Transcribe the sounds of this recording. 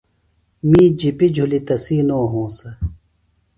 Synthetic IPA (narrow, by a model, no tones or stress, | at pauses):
mĩːd͡ʑipid͡ʑʱulit̪ɐsiːnoːɦõːsɐ